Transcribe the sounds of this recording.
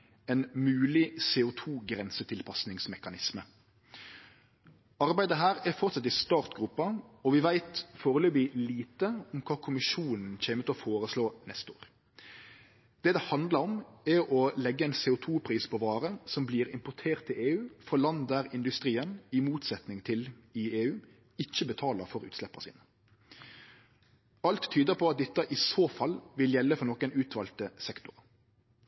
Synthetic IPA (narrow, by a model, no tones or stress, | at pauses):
ɛnmʉːlɪseːʊt̪ʰuːɡɾɛnsət̪ʰɪlpʰɑsnɪŋsmɛkɑnɪsmə | ɑɾbæɪd̪əɦæːɾɛɾfɔʁt̪sɑt̪ːɪst̪ɑːʁt̪ɡɾʉpːɑɔʋɪʋæɪt̪foːʁəløːbɪliːt̪əɔmkʰɑːkʰʊmɪʂuːnn̩çeːmət̪ɪlɔfoːɾəsloːnɛst̪o̰ːɾ | d̪̥ɛːd̪ɛhɑnd̪lɑɾɔmɛɾɔlɛɡːəɛɪnseːʊt̪ʰuːpʰʁiːspʰɔʋɑːɾəsɔmbliːɾɪ̰mpʊʈʰeːʁt̪ʰːɪleːʉːfɔlɑnd̪æɾɪnd̪ʉst̪ʁiːənɪmuːt̪sɛt̪nɪŋt̪ʰɪlɪeːʉː | ɪçːəbət̪ʰɑːləʁfɔɾʉ̰ːt̪slɛpːə̰sḭːnə | ɑlt̪ʰːyːd̪əpʰɔɑt̪̚d̪ɪt̪ːəʔɪsoːfɑlːʋɪljɛlːəfɔnɔkənʉːt̪ʰʋɑlt̪əsɛkt̪ʊʁə